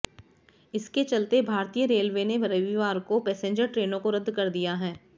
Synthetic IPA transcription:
ɪsket͡ʃɐlt̪ebʱaːɾt̪ijəɾeːlʋeneʋɐɾəʋiʋaːɾkopɛːsẽːɲd͡ʒəɾʈɾeːnõkoɾɐd̪ʱːkɐɾd̪ijaɦɛː

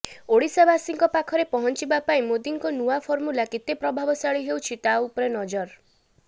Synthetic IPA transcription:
oɽisabasiŋkɔpakʰɔɾepɔɦɔnt͡ʃibapaĩmod̪iŋkɔnuwapʰoɾmulaket̪epɾɔbʱabɔsaɭiɦewt͡ʃʰit̪aupɔɾenɔd͡ʒɔɾ

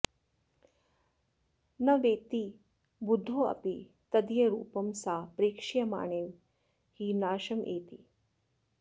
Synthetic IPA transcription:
nɐʋeːt̪i | bud̪ʱːoɐ̰pi | t̪ɐd̪ijeɾṵːpɐmsaːpɾeːkʂijɐma̰ːɳeːʋ | hiːnaːʃɐmjʔeːt̪ḭ

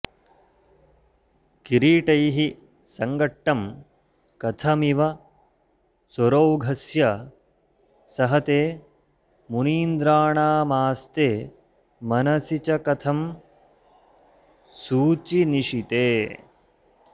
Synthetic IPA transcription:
kiɾiːʈɐjɦi | sɐŋɡɐʈːɐm | kɐt̪ʰɐmiʋɐ | soɾoːɡʱɐsjɐ | sɐɦɐt̪eː | muniːnd̪ɾaːɳaːmaːst̪eː | mɐnɐsit͡ʃɐkɐt̪ʰɐm | suːt͡ʃiniʂit̪eː

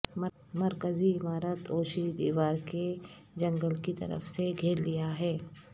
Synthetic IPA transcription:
m | mɐɾkəziɪmaːɾət̪ɔːʃɾiːd̪iːʋaːɾke | d͡ʒɐ̃ŋɡəlkit̪ɐ̰ɾə̰fseɡʱeːɾlijaɦɛː

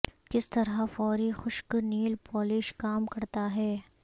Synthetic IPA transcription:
kɪst̪ɐɾafɔːɾixʊʃkniːlpʰɔːlɪʃkaːmkɐɾt̪aɦɛː

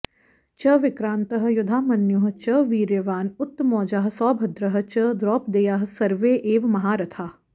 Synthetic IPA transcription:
t͡ʃɐʋɪkɾãːnt̪ɐɦɐ̆jʊd̪ʱaːmɐnjʊɦɐ̆t͡ʃɐʋiːɾjɐʋaːnʊt̪ːmɔːd͡ʒaːɦɐ̆sɔːbʱɐd̪ɾɐɦɐ̆t͡ʃɐd̪ɾɔːp̚d̪eːjaːɦɐ̆sɐɾʋeːʔeːʋmɐɦaːɾɐt̪ʰaː

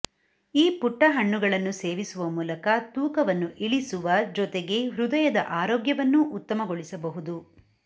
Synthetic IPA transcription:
iːpuʈːɐɦɐɳːuɡɐɭɐnːuse̞ːʋisuʋɐmuːlɐkɐt̪uːkɐʋɐnːuʔiɭisuʋɐd͡ʒɔt̪eɡe̞ʋɾud̪ɐjɐd̪ɐ̰ʔaːɾoːɡjɐʋɐnːuʔut̪ːɐmɐɡoɭisɐbɐɦud̪u

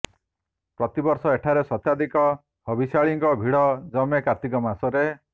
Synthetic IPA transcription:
pɾɔt̪ibɔɾsɔeʈʰaɾesɔt̪ad̪ikɔ | hɔbisaɭiŋkɔbʱiɽɔd͡ʒɔmekat̪ikɔmasɔɾe

